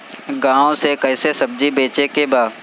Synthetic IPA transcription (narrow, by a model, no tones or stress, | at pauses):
ɡãːõsekəɪsesəb̚d͡ʒibeːt͡ʃekebaː